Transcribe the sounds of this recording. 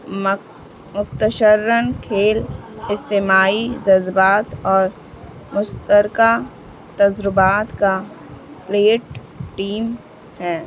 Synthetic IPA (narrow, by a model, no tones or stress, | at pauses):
mʊt̪əʃəɾːənkʰeːlɪst̪eːmaːizɐzbaːt̪ɔːɾ | mʊst̪əɾka | t̪ɐzɾʊbaːt̪ka | pleːʈ | ʈiːm | hɛː